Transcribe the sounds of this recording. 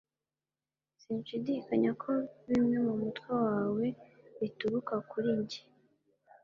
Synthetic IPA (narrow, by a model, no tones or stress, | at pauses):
siːnʃidikaɲakʰo̞βimŋe̞mumutwewaːwe̞βituɾukakuɾiɲɟi̥